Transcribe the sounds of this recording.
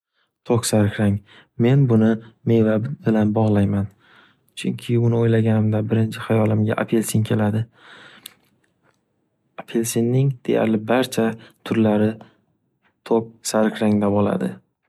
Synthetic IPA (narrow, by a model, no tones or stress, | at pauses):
t̪ʰoksaɾkʲɾaŋ | me̞nbʊnɪme̞jvabɪlanbɒʁlˠajman | t͡ʃʰʊŋkʲʰɪʊnɪojlaɡʲanɪmd̪abɪɾɪnt͡ʃʰɪχajɒlɪmɡʲaʔapʰelsiŋkʲʰe̞lad̪ɪ | apʰelsinːɪŋd̪̥e̞ja̰ɾlɪbaɾt͡ʃʰat̪ʰʊɾlaɾɪ | t̪ʰok̚saɾkʰʲɾaŋd̪abola̰d̪ɪ